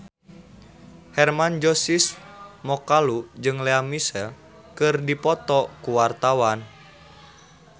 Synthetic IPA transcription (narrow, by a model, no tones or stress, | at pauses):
hɛrmand͡ʒɔsismɔkalud͡ʒɨŋleamisɛl | kɨrdipɔt̪ɔkuwart̪awan